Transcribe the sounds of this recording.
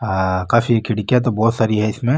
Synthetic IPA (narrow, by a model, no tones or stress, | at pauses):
akaːfikʰɪɽikjat̪̬obɔːt̪saːɾiɦɛɪsmẽ